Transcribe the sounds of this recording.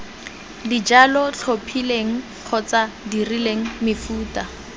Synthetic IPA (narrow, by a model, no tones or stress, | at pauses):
did͡ʒalɔɬʰopʰileŋ̩ | q͡χʰɔt͡sadirileŋ̩mɪfuːta